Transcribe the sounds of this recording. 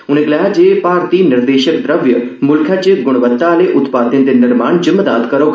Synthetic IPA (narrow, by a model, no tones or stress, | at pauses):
ʊnẽklad͡ʑeːpaːɾt̪inɪɾd̪eːʃəkd̪ɾəʋjəmʊlkʰjat͡ɕeɡʊɽ̃ʋət̪ːaleʔʊt̪paːt̪ind̪enɪɾmaːɳ̃d͡ʑɪmːəd̪aːd̪kɐɾok